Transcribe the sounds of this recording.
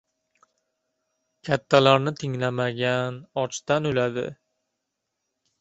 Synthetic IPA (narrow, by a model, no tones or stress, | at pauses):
kʲʰat̪ʰːalaɾnɪt̪ʰɪŋlamaɡʲanɒt͡ʃt̪anɵlad̪ɪ̰